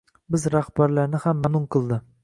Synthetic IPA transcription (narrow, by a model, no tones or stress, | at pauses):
bɪzɾahbaɾlaɾnɪhamːanʊnqʰɨlˠd̪ɪ